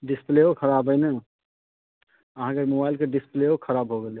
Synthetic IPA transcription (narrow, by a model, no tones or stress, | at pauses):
ɖispleokʰəɾabɦəɪnɛ | əɦãkemobajlkeɖispleokʰəɾabɦoɡele